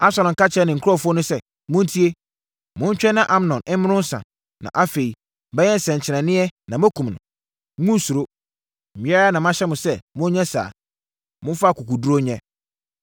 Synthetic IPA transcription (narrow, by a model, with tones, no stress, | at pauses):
a˦sɔ˨ɾʊ̃˨ka˦t͡ɕʰɛ˦nɪ̃˨ŋ̩˨kʰʊ˦ɔ˦˨fʊ˦ɔ˦nʊ̃˦sɛ˦ | mʊ̃˦n̩˦tʰi˦e˦ | mʊ̃˦ɲ̩˦t͡ɕᶣɛ˦nã˦ʔa˨m˨nɔ̃˨nɪ̃˦m˦mɪ̃˦nʊ̃˦n̩˦sã̰˨ | nã̰˨ʔa˦fe˨i˨ | bɛ˦ɛ̃˦n̩˨sɛ̃˨ɲ˨t͡ɕʰɪ˨nɛ̃˨nɪ̃˦ɛ˦nã˨mæ˦kʰũ˨mnʊ̰̃˨˦ | ŋũ˦n˨su˨ɾo˦ | m̩˨bĩ˦ɛ˦ɾa˦nã˨m̃˦ã˦ɕɛ˦mʊ̃˨sɛ˦mʊ̃˦ɲɛ̃˦sa̰ː˨ | mʊ̃˦fa˦˨ku˨kʰu˨du˦ɾo˦ɲɛ̃˦